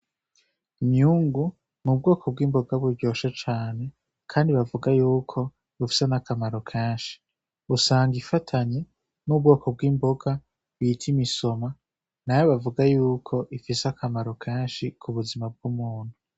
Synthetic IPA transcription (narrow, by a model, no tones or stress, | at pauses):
imɲuŋɡu | mub̚ɡo̞ːkʰob̚ɡwiːmbo̞ɡaβuɾɟo̞ːʃet͡ʃaːne̞ | kʰaːndiβavuɡajuːkʰo̞ | βufi̥se̞nakamaɾo̞kʰeːnʃi̥ | usaːŋɡifatʰaɲe̞ | nub̚ɡo̞ːkʰo̞b̚ɡwiːmbo̞ɡa | βitʰimiso̞ma | najoβavuɡajuːkʰo̞ʔifiseakʰamaɾokʰeːnʃikʰuβuzimab̚ɡumuːn̥hu